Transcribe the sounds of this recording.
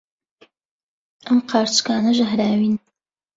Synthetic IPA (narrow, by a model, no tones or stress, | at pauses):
əmqʰaːɾt͡skʰaːnɐʒɐɦɾaːwin